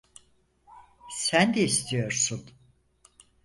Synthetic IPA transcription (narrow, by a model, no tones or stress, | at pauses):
sænd̪eist̪ʰijo̞ɾsun